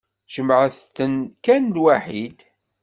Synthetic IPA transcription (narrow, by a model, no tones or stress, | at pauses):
ʒ̥əmʕəθənkænlwaħid̪